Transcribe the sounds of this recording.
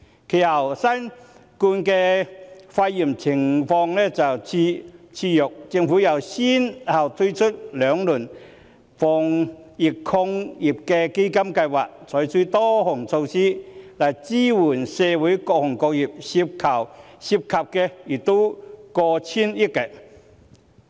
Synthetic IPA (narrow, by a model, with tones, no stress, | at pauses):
kʰi˨˩hɐ˨˩wsɐ˥n | kuː˧nkɛː˧faː˧ji˨˩mt͡sʰɪ˨˩ŋfɔː˧ŋnɛ˥t͡sɐ˨˩wt͡sʰi˧t͡sʰiː˧jʊ˨˩k̚t͡sɪ˧ŋfuː˨˥jɐ˨˩wsi˥nhɐ˨˩wt̪ʰu˥jt͡ʃʰʊ˥t̚lœː˨˧ŋluː˨˩n | fɔː˨˩ŋ | ji˨˩kkʰʊ˧ŋji˨˩p̚kɛ˧ke˥jkɐ˥mkɐ˧jwaː˨˩k̚t͡sʰɔː˨˥jt͡su˧˥t̪ɔː˥hʊ˨˩ŋt͡sʰo˧wsiː˥la˨˩jt͡siː˥wuː˨˩nseː˧wuː˨˥jkɔː˧k̚hʊ˨˩ŋkɔː˧k̚ji˨˩p̚si˧p̚kʰɐ˨˩w | si˧p̚kʰɐ˨p̚kɛ˧ji˨˩k̚t̪o˥wkɔː˧t͡sʰiː˥ni˦˥kːɛ˧